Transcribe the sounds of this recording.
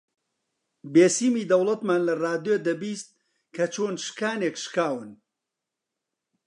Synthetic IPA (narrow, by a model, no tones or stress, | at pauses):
beːsiːmiːd̪ɐwlˠɐt̪maːnlɐraːd̪jod̪ɐbiːst̪̚ | kʰɐt͡ʃʰoːnʃɨ̥kaːneːkʃkaːwɨn